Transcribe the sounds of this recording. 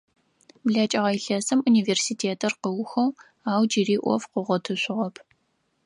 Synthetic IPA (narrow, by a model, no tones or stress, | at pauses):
bɮɐːt͡ʃʼɐʁɐiɬɐsɐmuniːveːrsiːtʰeːtʰɐrqəwʊxɐw | aːwd͡ʒiriːʔʷɔ̰fqʊʁʷɔtʰɨɕʷʊʁɐpʰ